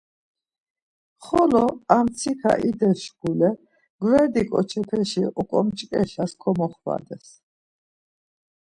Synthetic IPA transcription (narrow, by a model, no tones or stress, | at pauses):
χɔlɔamt̪t͡sʰikʰa̰ʔid̪ɛɾʃɡulɛ | ɡ̥vɛɾd̪ikʼɔt͡ʃʰɛpʰɛʃiʔukʼɔmt͡ʃʼkʼɛʃaskʰɔmɔχwa̰d̪ɛs